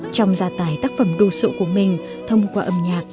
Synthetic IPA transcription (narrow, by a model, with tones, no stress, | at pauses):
t͡ɕɔ˧wŋ͡mzaː˨˩t̪aː˨˩jt̪aː˦˥k̚fə˧˩mɗo˧so̰˧˨ku˧˩əmï˨˩ŋ̟ | t̪ʰə˧wŋ͡mkwaː˧ʔə˧mɲaː˨˩k̚